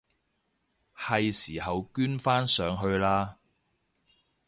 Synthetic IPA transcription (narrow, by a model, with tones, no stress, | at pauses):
hɐ˨jsiː˨˩hɐ˨wkyː˥nfaː˥nsœː˨˧ŋɦɵ˧ɥlaː˥